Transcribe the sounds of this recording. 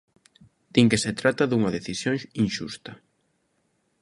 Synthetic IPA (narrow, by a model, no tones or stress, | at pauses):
t̪iŋkeset̪ɾat̪ɐðuŋɐðeθisjoŋsinʃṵst̪ɐ